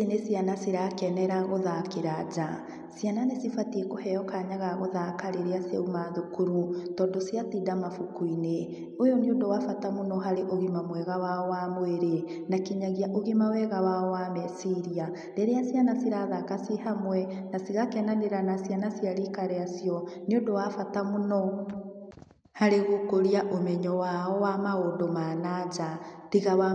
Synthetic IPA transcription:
sinesianasiɾakɛnɛɾaɣoðakeɾad͡ʒa | siananesifatiekohɛjɔkaɲaɣaɣoðakaɾeɾeasia̰umaðokuɾutɔːndɔsiatiːdamafukuine | ojɔniodowafatamonɔɦaɾeʔoɣimamwɛɣawaɔwamweɾe | nakiɲaɣiaʔoɣimawɛɣawaɔwamɛsiɾia | dɛɾɛasianasiɾaðakasiɦamwɛnasiɣakɛnaneɾanasianasijaɾikaɾɛasiɔniodowafatamonɔ | haɾeɣokoɾiaʔomɛɲɔwaɔwamaondomanad͡ʒatiɣawa

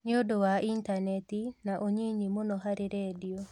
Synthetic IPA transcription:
nɪodowaʔintanɛtinaʔoɲiɲimonɔɦaɾeɾɛdio

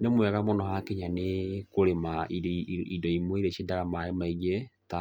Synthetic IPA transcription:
nemwɛɣamonɔhakeɲanekoɾemaiidɔimweɾɛʃedaɾamaemaiɣeta

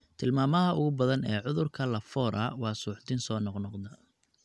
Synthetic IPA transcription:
t̪ʰɪlmaːmɐɦɐʊɣʊbɐðɐnɛːʕʊðʊrkʰɐlɐfɔːɾʔɐ̰wɑːsuːʕd̪ɪnsɔːnɔqnɔqd̪ɐ

